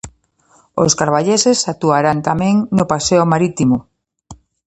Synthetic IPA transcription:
o̰skaɾβaʎesesat̪uaɾant̪amɛ̃ŋnopaseomaɾit̪imo

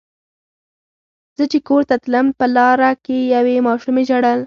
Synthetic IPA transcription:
z̥ət͡ʃekoɾt̪at̪ləmpəlɑɾakejawemɑʃumeʒaɽəl

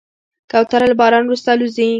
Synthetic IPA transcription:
kawt̪aɾalbɑɾɑnwɾust̪aluzi

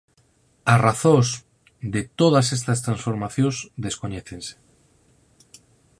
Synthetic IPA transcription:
asraθõs | d̪et̪oð̞as̬est̪ast̪ɾansfo̞ɾmaθjozd̪e̞skoɲeθẽnse̥

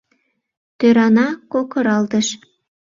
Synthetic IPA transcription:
t̪øɾɑnɑkokɤ̆ɾɑlt̪ə̆ʃ

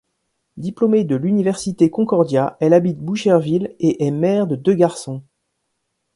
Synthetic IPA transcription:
d̪iplomed̪əlynivɛʁsit̪ekɔ̃kɔʁd̪jaɛlabit̪̚buʃɛʁvileʔɛmɛʁd̪əd̪øɡaʁsɔ̃

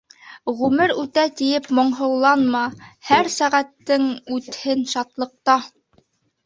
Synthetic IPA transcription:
ʁʉmɘɾʉt̪æt̪ijɘpmŏɴɦɤ̆wlˠɑnmɑhæɾsæʁæt̪ːɘŋʉt̪hɘnʃɑt̪lˠɤ̆q̚t̪ɑ

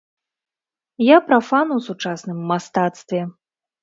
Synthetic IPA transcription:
japɾafanuwsut͡ʂasnɨmːast̪at̪st̪vʲɛ

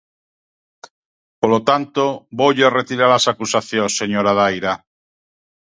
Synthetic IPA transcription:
polot̪ant̪oboʎaret̪iɾalasakusaθjõsːeɲoɾaðajɾa

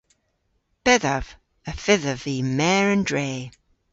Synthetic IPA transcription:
b̥ɛðəv̥ | əfɪðəviːmɛːɹə̃ndɹeː

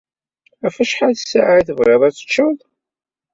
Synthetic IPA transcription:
æfæʃħaðsːa̰ʕaθəvʁeðˤæt͡sːə̥t͡ʃːəðˤ

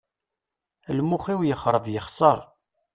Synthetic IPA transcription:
lmuχiwjəχɾˤəðˤjəχsˤəɾˤ

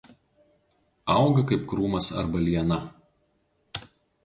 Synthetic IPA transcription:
ɐˑʊɡɐkɐɪpkɾuːmɐsɐ̰ɾbɐlʲiɛnɐ

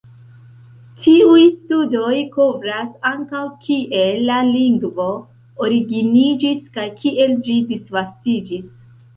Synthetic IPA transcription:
tʰiujstudo̞jkovɾasaŋkawkʰiʔe̞lːaliŋɡvo̞ | oɾiɡinid͡ʒiskajkʰiʔe̞ld͡ʒidisvastid͡ʒis

